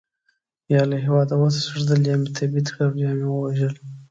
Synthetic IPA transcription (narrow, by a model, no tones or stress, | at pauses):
jɑlaɦɪwɑd̪awat̪ḁsəʐd̪əljɑmet̪ʰabit̪kawjɑmewəwaʒəl